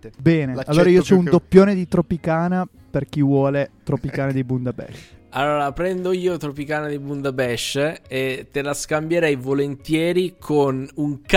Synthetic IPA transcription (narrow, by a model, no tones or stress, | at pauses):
bɛːnealːoːɾaiːosɔund̪opːjoːned̪it̪ɾopikaːna | perk̟ivwɔːlet̪ɾopikaːnad̪ibund̪abɛ̰ʃa̰lːoːɾapɾɛnd̪oiːot̪ɾopikaːnad̪ibund̪abɛʃːet̪ːelaskambjeɾɛjvolent̪jɛːɾikʰonuŋk